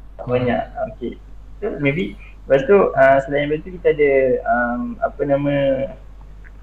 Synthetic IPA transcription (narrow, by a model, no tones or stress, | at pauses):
baɲã̰ʔoke | t̪omẽbi | bast̪uʔəmsəlajɪ̃nbasit̪ukit̪aːdaəma̰pənãmə̃